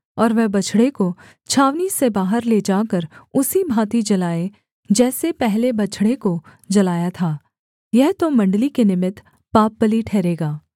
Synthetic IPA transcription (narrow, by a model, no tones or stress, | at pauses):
ɔːɾʋɛɦbɐt͡ʃʰɽeko | t͡ʃʰaːʋnisebaːɦəɾled͡ʒaːkəɾʊsibʱaːt̪id͡ʒɐlaːe | d͡ʒɛːsepɛɦlebɐt͡ʃʰɽekod͡ʒɐlaːjat̪ʰaː | jɛɦt̪omɐ̃ɳɖlikenɪmɪt̪ | paːp̚bəliʈʰɛːɾeːɡaː